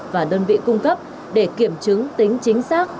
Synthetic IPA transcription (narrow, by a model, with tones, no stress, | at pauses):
vaː˨˩ɗəː˧nvḭ˧˨kʊ˧ŋ͡mkə˦˥p̚ | ɗe˧˩ki˧˩əmt͡ɕɨ˨˦ŋt̪ï˨˦ŋ̟t͡ɕï˨˦ŋ̟saː˦˥k̚